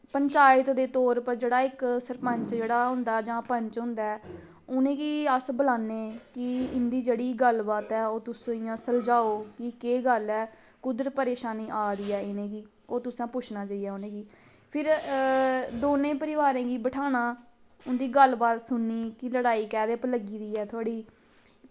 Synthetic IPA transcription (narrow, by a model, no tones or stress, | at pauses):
pəɲt͡ʃaːjət̪d̪eːt̪ɔːɾpəɾd͡ʒeːɽaːɪksəɾpə̃ɲt͡ʃd͡ʒeːɽaːɦʊ̃nd̪aːd͡ʒãːpəɲt͡ʃɦʊ̃nd̪aːɛː | ʊnẽːkiəsbəlaːnːeːkɪɪnd̪iːd͡ʒeːɽiːɡəlbaːt̪ɛːoːt̪ʊsãːsəld͡ʒaːoːkɪkeːɡəlɛː | kʊd̪əɾpəɾeːʃaːniːʔaːɾiːɛːɪnẽːkiː | oːt̪ʊsãːpʊt͡ʃʰnaːt͡ʃaːijɛːʊnẽːɡiː | pʰɪɾ | d̪oːnẽːpəɾɪʋaːɾẽːɡiːbəʈʰaːnãː | ʊnd̪iːɡəlbaːt̪sʊnːiːkɪləɽaːiːkɛːd̪eːpləɡiːd̪iːɛːt̪ʰʊaːɽiː